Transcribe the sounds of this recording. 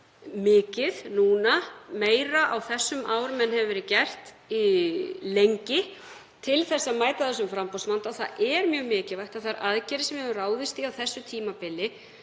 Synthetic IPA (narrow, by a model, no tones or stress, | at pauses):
mɪːcɪðnuːnameːjɾaʔawθɛsːʏmʔaːwɾʏmɛnhɛvʏvɛːɾɪcɛr̥t̪ | ilejɲcɪ | t̪ʰɪlθɛsːamaːjt̪aðɛs̬ʏmfɾampɔwsmant̪aθa̰ɛɾmjœːɣmɪːcɪvajht̪aðθaɾʔaðcɛːɾɪsɛmjɛvʏraːwðɪst̪iawθɛsːʏt̪ʰiːmapɪlːɪ